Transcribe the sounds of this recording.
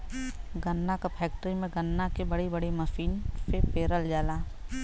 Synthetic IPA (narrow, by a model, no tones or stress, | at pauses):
ɡɐnːakapʰɛːk̚ʈəɾimẽɡɐnːakebɐɽibɐɽeməfiːnsepeːɾəld͡ʒaːlaː